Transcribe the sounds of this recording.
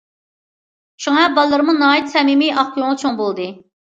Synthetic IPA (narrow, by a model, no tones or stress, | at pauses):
ʃuŋɑbɑlˠːɨɾmunɑːit̪sɛmimijʔɑχkoŋt͡ʃʰoŋbolˠd̪ɨ